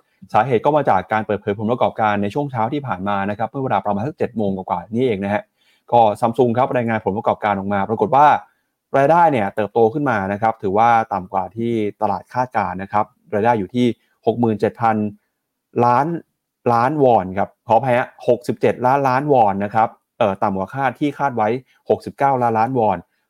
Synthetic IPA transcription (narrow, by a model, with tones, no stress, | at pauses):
saː˩˦ɦeː˨˩t̪̚kɔː˥˩maː˧t͡ɕaː˨˩kːaː˧npɤː˨˩t̪̚pʰɤː˩˦jpʰnpɾa˧kɔː˨˩p̚kaː˧nːa˧jt͡ɕʰu˥˩əŋt͡ɕʰaː˦˥wt̪ʰiː˥˩pʰaː˨˩nmaː˧na˦˥kʰa˦˥pmɯ˥˩we˧ɾaː˧pɾa˧maː˧nsa˥t͡ɕe˨˩t̪̚moː˧ŋka˨˩kwaː˨˩niː˦˥ʔeː˧ŋna˦˥ɦɛ˦˥ | kɔː˥˩sa˧˥msu˧ŋkʰa˦˥p̚ɾaː˧jŋaː˧npʰo˩˦npɾkɔː˨˩p̚kaː˧nʔɔ˨˩k̚maː˧pɾa˧ko˨˩t̪̚waː˥˩ | ɾaː˧jdaː˥˩jni˥˩ɐt̪ɤː˨˩p̚t̪oː˧kʰɯ˥˩nmaː˧na˦˥kʰɾa˦˥p̚t̪ʰɯː˩˦waː˥˩t̪a˨˩mkwaː˨˩t̪ʰiː˥˩t̪a˧laː˨˩t̪̚kʰaː˥˩t̪̚kaː˧nːa˦˥kʰɾa˦˥p̚ | ɾaː˧jdaː˥˩jːuː˨˩t̪ʰiː˥˩ | ho˨˩k̚mɯː˨˩nt͡ɕe˨˩t̪̚pʰa˧n | laː˦˥n | laː˦˥nwɔː˧nkʰa˦˥p̚kʰɔː˩˦pʰaː˧jʔa˦˥ho˨˩k̚si˨˩p̚t͡ɕe˨˩t̪̚laː˦˥nlaː˦˥nwɔː˧nːa˦˥kʰɾa˦˥p̚ | ʔɤː˨˩t̪a˨˩mkwaː˨˩kʰaː˥˩t̪ʰiː˥˩kʰaː˥˩t̪̚wa˦˥j | ho˨˩k̚si˨˩p̚kaː˥˩wlaː˦˥nlaː˦˥nwɔː˧n